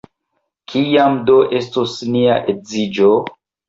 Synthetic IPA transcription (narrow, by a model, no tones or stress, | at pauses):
kʰijamdoʔe̞stosniaʔezid͡ʒo